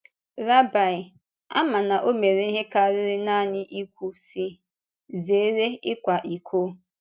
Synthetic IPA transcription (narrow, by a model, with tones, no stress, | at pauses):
ɾa˦ba˨ɪ˨ | a̰˦ma˨na˨ʔo˦me˨ɾe˨˦i˦ɦe˦ka˦˨ɾɪ˦ɾɪ˦na˦ɲɪ˦ʔi˦kʷu˦si˦ | ze˨˦ɾe˦ɪ˦kʷa˨ʔi˨kʰo˦